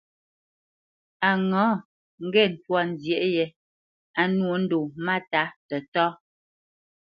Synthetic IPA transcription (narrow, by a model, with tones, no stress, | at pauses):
a˨ŋɔː˨˦ | ŋ̩˨˦ɡɛ˦˨n̩˨twa˦˨n̩˨zjɛ˨ʔjɛ˨ | a˨nwo˨˦n̩˦do˨ma˦ta˦tɛ˨tɔ˦